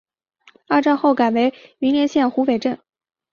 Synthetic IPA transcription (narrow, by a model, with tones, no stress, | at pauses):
a˥˧ʈ͡ʂɑ˥˧ŋxo˥˩ʊka˨˩we˧˥ɪy˧˥nljɛ˧˥nɕjɛ˥˩nxu˧˥pe˨˩ɪʈ͡ʂə˥˩n